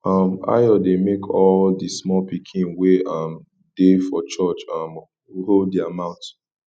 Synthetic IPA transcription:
ama̰jɔdemekʰɔldismɔpikʰĩnweam | defɔt͡ʃɔt͡ʃam | ɾoldiamãʊ̃nt

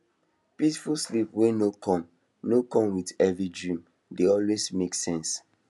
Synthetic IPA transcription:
pisfulslipwɛ̃nokɔ̃m | nokɔ̃mwidɛvɹidɹĩm | deɔlwesmeksɛ̃ns

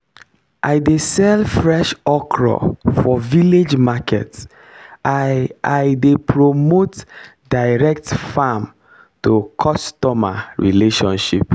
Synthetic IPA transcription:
ʔaɪdesɛlfɹɛʃɔkʰɹɔ̰fɔviled͡ʒmakʰɛ̰ts | ajdepɹomot | daɪɹɛk̚tfam | tokʰɔstɔma̰ɹileʃɔ̰̃nʃḭp

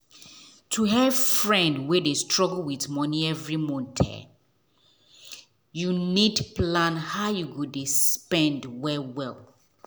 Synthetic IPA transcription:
tʰuɦɛv̥fɹɛ̃ndwedestɹɔɡlwitmɔnĩɛvɹimɔ̃ntʰɛ̰ | junidplãnhaʊjuɡodespɛ̃ndwɛwɛlˠ

